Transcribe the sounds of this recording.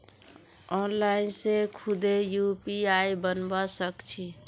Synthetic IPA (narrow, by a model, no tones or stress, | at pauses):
ɔnlainsekʰud̪ejupiaijbənbasəkt͡ʃʰi